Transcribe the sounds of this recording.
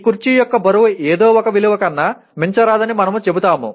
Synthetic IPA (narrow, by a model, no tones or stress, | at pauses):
kuɾt͡ʃijɔkːɐbɐɾuʋueːd̪oːɔkɐʋiluʋɐkɐnːaː | miɲt͡ʃɐɾaːd̪ɐnimɐnɐmut͡ʃe̞but̪aːmṵ